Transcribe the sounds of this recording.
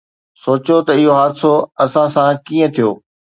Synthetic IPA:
soːt͡ɕot̪ɐɪɦoɦaːd̪soɐsãsãkiːə̃t̪ʰijoː

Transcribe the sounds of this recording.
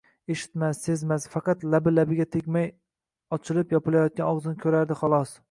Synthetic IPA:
eʃɪ̥t̪masse̞zmasfɑqɑt̪labɪlabɪɡʲat̪ʰekʲmaj | ɒt͡ʃʰɪlɪpjɒpɪlajɒt̪̚kʲanɒʁzɪnɪkʲʰɵɾaɾd̪ɪχɒlˠɒs

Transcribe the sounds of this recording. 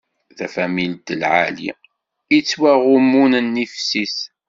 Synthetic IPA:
θæfæmilt̪əlʕalḭ | it͡sːwæʁʊmunənːifsis

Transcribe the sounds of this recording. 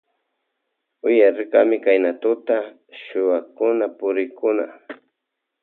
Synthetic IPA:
ʊjaɾɪkamɪkajnat̪ʊt̪a | ʃʊwakʊnapʊɾɪkʊna̰

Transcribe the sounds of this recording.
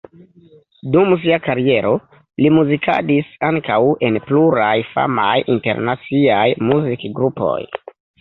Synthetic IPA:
dums̬iakaɾie̞ɾo̞ | limuzikʰa̰disaŋkawe̞npluɾajfa̰majʔinte̞̰ɾnat͡siajmuzikɡɾupo̞̰j

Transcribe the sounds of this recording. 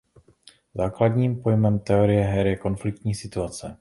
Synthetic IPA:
zaːkladɲiːmpo̞jmɛmt̪ɛo̞ɾɪjɛɦɛɾjɛko̞nflɪk̚t̪ɲiːsɪt̪uat͡sɛ

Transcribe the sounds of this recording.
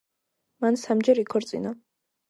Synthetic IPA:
mansamd͡ʒɛɾikʰɔɾt̪sʼḭna

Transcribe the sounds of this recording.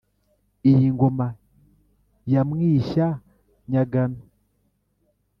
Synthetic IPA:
ijiŋɡoma | jamwiʃa | ɲaɡana

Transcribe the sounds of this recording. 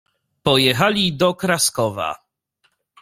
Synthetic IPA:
pɔjɛxalʲid̪ɔkɾaskɔva̰

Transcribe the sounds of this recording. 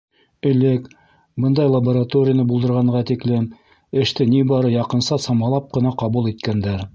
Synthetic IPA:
ɘ̆lɘk | bɤnd̪ɑjlˠɐboɾat̪oɾʲɪjənɤbulˠd̪ɤ̆ɾʁɑɴɢɑt̪iklɘm | ɘ̆ʃt̪ɘnibɑɾɤjɑqɤ̆nsɑsɑmɑlˠɑp̚qɤ̆nɑqɑβulˠit̪kænd̪æɾ

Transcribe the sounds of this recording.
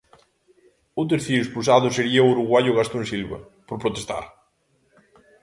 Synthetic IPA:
ʊt̪̬eɾθeɾʊespulsaðʊseɾiɐuɾuɣwaʎʊɣast̪ʊẽnsilβɐ̰ | poɾpɾot̪est̪a̰ɾ

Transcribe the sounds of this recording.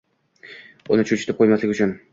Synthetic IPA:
ʊnɪt͡ʃʰʊt͡ʃʰɪ̥t̪ʰɪp̚qʰojmaslɪɡʲʊt͡ʃʰʊn

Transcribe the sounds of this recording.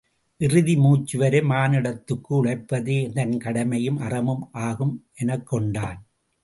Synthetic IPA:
ʔɪrɯðimuːt͡ʃːɯʋɐɾɐmaːnɪɽɐt̪ːɯkːɯʊɭɐɪpːɐðeːnd̪ɐnkɐɽɐmɐjɯmʔɐrɐmɯmʔaːɣɯmʔɛnɐkːɔɳɖaːn

